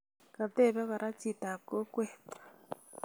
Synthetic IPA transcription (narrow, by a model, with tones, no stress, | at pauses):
ka˨t̪ɛ˦˨βa˦ka˨ɾa˦t͡sʰi˨tʼa˨kɔ˦kʼwɛːtḁ